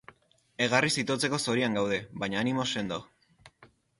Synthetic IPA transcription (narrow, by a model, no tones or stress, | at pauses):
e̞ɣ̞arisit̪ot͡se̞ko̞so̞ɾiaŋɡawð̞e̞βajɲaːnimo̞se̞nd̪o